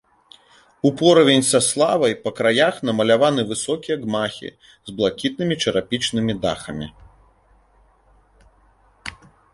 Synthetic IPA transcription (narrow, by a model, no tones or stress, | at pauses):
upɔɾɐvʲenʲsɐslˠavɐjpɐkɾajaxnɐmɐlʲavanɨvɨsɔkʲijɐɡmaxʲḭ | zblˠakʲit̪̚nɨmʲit͡ʂɐɾapʲit͡ʂnɨmʲid̪a̰xɐmʲḭ